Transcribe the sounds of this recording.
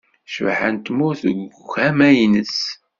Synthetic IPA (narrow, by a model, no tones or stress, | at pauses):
ʃvħa̰nt̪mʊθəɡxæmæjnəs